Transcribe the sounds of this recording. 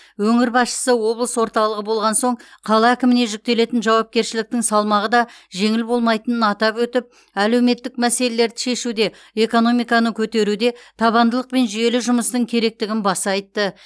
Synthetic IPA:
wɵŋɪɾbɑsʃə̥səwo̞blˠəswo̞ɾt̪ɑlˠəʁəbo̞lˠʁɑnso̞ɴqʰɑlˠɑækʲɪmɪne̞ʒʏk̚t̪e̞le̞t̪ɪnʒɑwɑp̚kʲe̞ɾʃɪlɪk̚t̪ɪŋsɑlˠmɑʁəd̪ɑʒe̞ŋɪlbo̞lˠmɑjt̪ənənɑt̪ɑpwɵt̪ɪp̚ | æle̞wme̞t̪ːɪk̚mæse̞le̞le̞ɾd̪ɪʃe̞ʃud̪e̞ | eko̞no̞mijkɑnəkʲʰɵt̪e̞ɾud̪e̞t̪ʰɑβɑnd̪əlˠəq̚pe̞nʒʏje̞lɪʒʊməst̪əŋkʲʰe̞ɾe̞k̚t̪ɪɡʲɪnbɑsɑjt̪ːə

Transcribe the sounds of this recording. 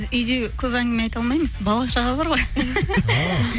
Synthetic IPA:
zʏjd̪e̞kʲʰɵpæŋɡʲeme̞ɑjt̪ɑlˠmɑjməzbɑlˠɑʃɑʁɑbɑɾʁo̞j

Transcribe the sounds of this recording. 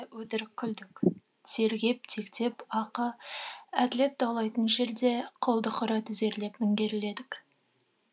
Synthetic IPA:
wɵt̪ɪɾɪkʲʰːʏld̪ɪk | se̞ɾɡʲe̞p̚t̪ʰe̞kt̪e̞pɑqə | at̪le̞t̪̚d̪ɑlˠɑjt̪ənʒe̞ɾd̪e̞qʰolˠd̪əqʰʊɾɑt̪ɪze̞ɾle̞pmɪŋɡʲe̞ɾɪle̞d̪ɪk

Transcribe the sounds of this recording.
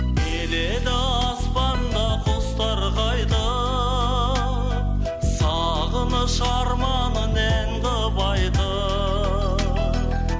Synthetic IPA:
eled̪ɪɑspɑnd̪ɑqʰost̪ɑɾʁɑjd̪ə | sɑ | ʁənəʃɑɾmɑnəneɴdə | bɑjd̪ə

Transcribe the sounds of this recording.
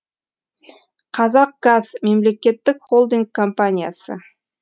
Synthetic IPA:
qʰɑzɑq̚ɡ̥azme̞mle̞kʲe̞t̪ːɪkχolˠd̪iŋɡ̚kʰːompanʲija̰sə̰

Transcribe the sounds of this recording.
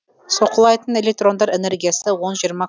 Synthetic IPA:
so̞qəlˠɑjt̪əne̞lek̚t̪ro̞nd̪ɑɾene̞ɾɡʲijasɪwo̞nʒijəɾmɑ

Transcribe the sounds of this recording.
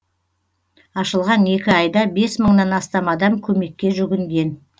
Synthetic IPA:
ɑʃəlˠʁɑne̞kʲɪɑjd̪ɑbe̞sməɴnɑnɑst̪ɑmɑd̪ɑmkʲʰɵme̞kʲːe̞ʒʏɡʲɪŋɡʲe̞n

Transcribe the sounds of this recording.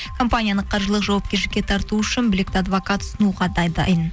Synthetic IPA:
kʰo̞mpanʲijanəqʰːɑɾʒəlˠəqʒɑwɑp̚kʲeɾʃɪ̥kʲːe̞t̪ʰɑɾt̪uʏʃɪnbɪlɪk̚ʲt̪ɪad̪vokat̪ʰʊ̥sʊnuʁɑd̪ɑjd̪ɑ̰jən

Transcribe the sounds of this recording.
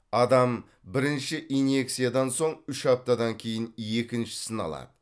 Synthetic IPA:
ɑd̪ɑm | bɪɾɪnʃɪʔine̞ksijad̪ɑnso̞ɴʏʃɑp̚t̪ɑd̪ɑŋkʲʰe̞jɪnje̞kʲɪnʃɪ̥sənɑ̰lˠɑ̰d̪ə̥

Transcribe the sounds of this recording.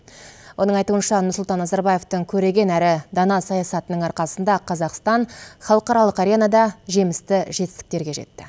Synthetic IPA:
wʔo̞nəɴɑjt̪uənʃɑnʊɾsʊlˠt̪ɑnːɑzɑɾbɑje̞ft̪əŋkʲʰɵɾe̞ɡʲe̞næɾɪd̪ɑnɑsɑjɑsɑt̪ənəɴɑɾqɑsənd̪ɑqʰɑzɑqst̪ɑɴχɑlˠəqɑɾɑlˠəqɑɾʲenɑd̪ɑʒe̞mɪst̪ɪʒe̞t̪ɪst̪ɪkt̪e̞ɾɡʲe̞ʒe̞̰t̪ːɪ

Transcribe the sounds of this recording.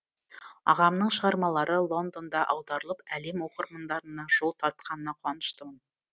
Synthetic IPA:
ɑ̰ʁɑmnəɴʃəʁɑɾmɑlˠɑɾʔəlˠo̞nd̪o̞nd̪ɑʔɑwd̪ɑɾəlˠəpæle̞mwo̞qəɾmənd̪ɑɾənːɑʒ̥olˠt̪ʰɑɾt̪̚qɑnənɑqʰwɑnəʃt̪əmən

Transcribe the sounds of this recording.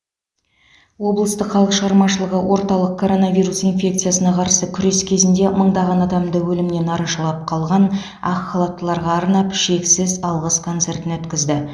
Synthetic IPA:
wo̞blˠəst̪əqχɑlˠəqʃəʁɑɾmɑʃəlˠəʁəwo̞ɾt̪ɑlˠəq̚kʰːo̞ɾo̞navʲijɾusinfʲe̞k̚t̪sɨjasənɑqʰɑɾsəkʲʰʏɾe̞skʲʰe̞zɪnd̪e̞məɴd̪ɑʁɑnɑd̪ɑmd̪əwɵlɪmne̞nɑɾɑʃɑlˠɑp̚qʰɑlˠʁɑn | ɑχːɑlˠɑt̪ːəlˠɑɾʁɑːɾnɑpʃe̞ksɪzɑlˠʁəskʰo̞nt̪se̞rt̪ɪnwɵt̪kʲɪzd̪ɪ

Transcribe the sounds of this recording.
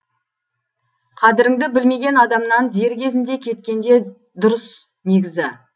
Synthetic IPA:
qʰɑd̪ɪɾɪŋd̪ɪbɪlme̞ɡʲe̞nɑd̪ɑmnɑnd̪e̞ɾkʲe̞zɪnd̪e̞kʲʰe̞t̪kʲe̞nd̪e̞ | d̪ʊɾəs | ne̞ɡʲɪzɪ

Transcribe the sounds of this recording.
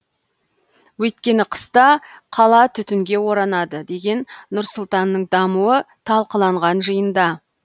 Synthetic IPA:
wɵjt̪kʲe̞nɪqʰə̥st̪ɑqʰɑlˠɑt̪ʰʏt̪ɪŋɡʲe̞wo̞ɾɑnɑd̪əd̪e̞ɡʲe̞nːʊɾsʊlˠt̪ɑnːəɴd̪ɑmuə | t̪ʰɑlˠqəlˠɑɴʁɑnʒəjənd̪ɑ

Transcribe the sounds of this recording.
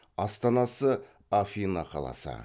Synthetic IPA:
ɑst̪ɑnɑsə | afʲinɑ̰qʰɑ̰lˠɑ̰sə̰

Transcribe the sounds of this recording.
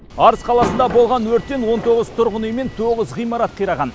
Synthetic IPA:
ɑɾəzqʰɑlˠɑsənd̪ɑbolˠʁɑnwɵɾt̪ːe̞nwo̞nt̪ʰo̞ʁəzt̪ʰʊɾʁənəjme̞nt̪ʰoʁəzʁijmɑɾɑt̪̚qʰijɾɑʁɑn

